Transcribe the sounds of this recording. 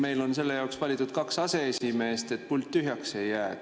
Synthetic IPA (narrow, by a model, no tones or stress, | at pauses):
me̞jlo̞nse̞lːe̞jɑoksvɑlʲit̪ud̪̥̚kɑksɑse̞esime̞ːst̪e̞t̪̚ːpulʲt̪ʲːyɦjɑkse̞jːæː